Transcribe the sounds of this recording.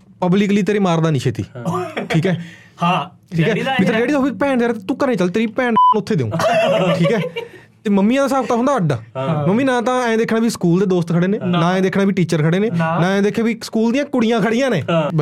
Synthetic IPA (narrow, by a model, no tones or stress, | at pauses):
pəblikliːt̪eːɾeːmaːɾd̪aːnĩːʃʰeːt̪ḭːʈʰiːkɛː | ʈʰiːkɛːmɪt̪əɾd͡ʒeːɽiːd̪ɔːbiːpɛːɳd̪eːɾt̪eːt̪ũːkəɾnẽːt͡ʃəlt̪eːɾiːpɛːɳnʊt̪ʰːeːd̪eːṵ̃ːʈʰiːkɛː | t̪eːməmːĩːãːd̪aːsaːkt̪aːɦʊ̃nd̪aːəɖaməmĩːnãːt̪ãːɛ̃ːd̪eːkʰnãːbiːskuːld̪eːd̪oːst̪kʰəɽeːnẽːnãːɛ̃ːd̪eːkʰnaːbiːʈiːt͡ʃəɾkʰəɽeːneːnãːɛ̃ːd̪eːkʰːãːbiːsə̥kuːld̪ijãːkʊɽijãːkʰəɽijãːnẽː